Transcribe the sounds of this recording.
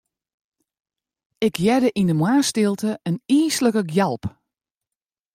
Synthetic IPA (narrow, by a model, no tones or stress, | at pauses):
ɪkʰjɛdəʔindəmwaːstɪlˠtəəniːsləkəɡjalˠp